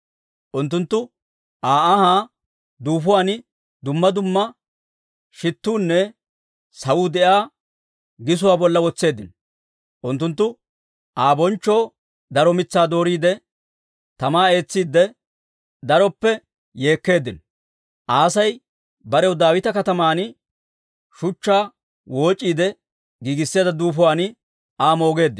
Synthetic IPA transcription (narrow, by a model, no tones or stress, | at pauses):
ʔʊnt̪ːʊnt̪ːʊ | ʔaːɐhaː | d̪uːfʊwaːn | d̪ʊmːɐd̪ʊmːɐ | ʃɪt̪ːuːnːɛ | sɐwuːd̪ɛʔaː | ɡɪs̬ʊwaːbɔlːɐwɔt͡sːe̞ːd̪ːɪnɔ | ʔʊnt̪ːʊnt̪ːʊ | ʔaːbɔnt͡ʃːo̞ː | d̪ɐɾɔmɪt͡sːaːd̪o̞ːɾiːd̪ɛ | t̪ɐmaːe̞ːt͡sːiːd̪ːɛ | d̪ɐɾɔpːɛ | je̞ːkːe̞ːd̪ːɪnɔ | ʔaːsɐj | bɐɾɛwʊd̪aːwɪt̪ɐkɐt̪ɐmaːn | ʃʊt͡ʃːaː | wʔo̞ːt͡ʃʼːiːd̪ɛ | ɡiːɡɪsːɪjaːd̪ɐd̪uːfʊwaːnɪ | ʔaːmo̞ːɡe̞ːd̪ːɪn